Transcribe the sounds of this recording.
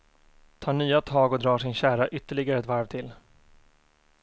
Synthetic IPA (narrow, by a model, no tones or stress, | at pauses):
t̪ʰɑːɳyːat̪ʰɑːɡɔd̪ɾɑːʂɪnɕæːɾaʔʏt̪ːəɭɪɡaɾəɛt̪vaɾvt̪ʰɪl